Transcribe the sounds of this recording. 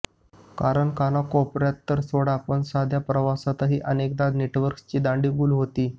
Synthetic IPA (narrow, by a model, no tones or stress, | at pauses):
kaɾəɳkanakɔpɾjat̪ːəɾsoɽapəɳsad̪ʱjapɾəʋasat̪aɦiːʔənek̚d̪ad̪neʈʋəɾkst͡ɕiːd̪ãɳɖiːbuːlɦot̪iː